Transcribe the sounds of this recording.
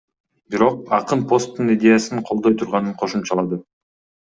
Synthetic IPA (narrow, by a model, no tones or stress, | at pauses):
bɪɾo̞qɑqənpʰo̞st̪ːənidʲe̞jasənqʰo̞lˠd̪ojt̪ʰʊɾʁɑnəɴqʰo̞ʃəmʃɑlˠɑd̪ə